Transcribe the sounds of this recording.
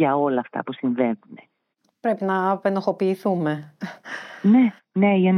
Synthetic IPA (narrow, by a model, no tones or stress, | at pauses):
ɐo̞lɐːft̪ɐ̰pusiɱve̞nðune̞ | pɾe̞pinɐpenoxo̞piːθume̞ | ne̞ | ne̞ʝɐn